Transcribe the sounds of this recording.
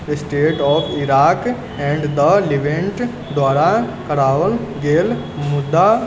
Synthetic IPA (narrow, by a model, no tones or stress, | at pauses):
əsʈeːʈɔːfʰiɾaːk | ɛ̃ɳɖd̪əliʋẽɳʈ | d̪waːɽakɐɾaːʋəlɡeːl | mʊd̪ːa